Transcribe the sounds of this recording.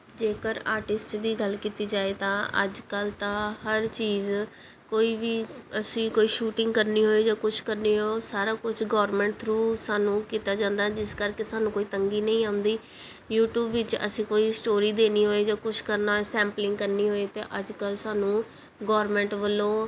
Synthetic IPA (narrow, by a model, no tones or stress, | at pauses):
d͡ʒeːkəɾaːɾʈɪsʈd̪iːɡəlkiːt̪iːd͡ʒaːeːt̪ãːə̰d͡ʒkəlt̪ãːhəɾt͡ʃiːz | koːiːʋiːəsĩːkoːiːʃuːʈɪ̃ŋɡkəɾniːɦoːeːd͡ʒaːkʊt͡ʃʰkəɾneːɦoːsaːɾaːkʊt͡ʃʰɡɔːɾmɛ̃ːɳʈ̚t̪ʰɾuːsaːnũːkiːt̪aːd͡ʒãːnd̪aːd͡ʒɪskəɾkeːsaːnũːkoːiːt̪əŋɡiːnəĩːãːʊ̃nd̪iː | juːʈjuːbʋɪt͡ʃə̰sĩːkoːiːsʈoːɾiːd̪eːniːɦoːeːd͡ʒaːkʊt͡ʃʰkəɾnaːsɛ̃ːmplɪ̃ŋɡkəɾniːɦoːeːt̪ḛːʔəd͡ʒkəlsaːnũː | ɡɔːɾmɛ̃ːɳʈʋəlːoː